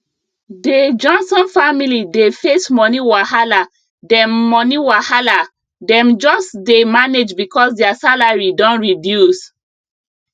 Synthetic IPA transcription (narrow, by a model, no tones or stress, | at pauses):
ded͡ʒɔ̃nsɔ̃nfamilidefesmɔniwahala | dɛ̃mːɔniwahala | dɛ̃md͡ʒɔsdemaned͡ʒbikɔsdɛasalaɹidɔ̃nɹidjus